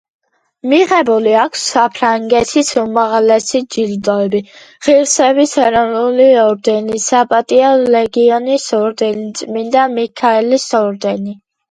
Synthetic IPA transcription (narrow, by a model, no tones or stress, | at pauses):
miʁɛbuliakʰsːapʰɾaŋɡɛt̪ʰisumaʁlɛsid͡ʒild̪ɔɛbi | ʁiɾsɛbisɛɾɔnuliɔɾd̪ɛnisapʼat̪ʼiɔlɛɡiɔnisɔɾd̪ɛnt̪sʼmind̪amikʰaɛlisɔɾd̪ɛni